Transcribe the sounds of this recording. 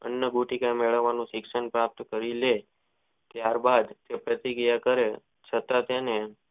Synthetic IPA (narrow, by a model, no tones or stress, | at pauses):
ə̰njəɡuʈikãmeɭəʋːanũʃɪkʃəɳpɾap̚t̪kəɾile | t̪jaɾbad̪t̪epɾət̪iɡijakəɾe | t͡ʃʰət̪at̪ene